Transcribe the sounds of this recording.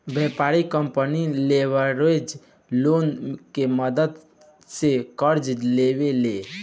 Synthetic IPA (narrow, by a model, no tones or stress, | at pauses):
bɛpaɾikəmpənileʋəɾed͡ʒ | lonkeməd̪əd̪ | sekəɾd͡ʒlewele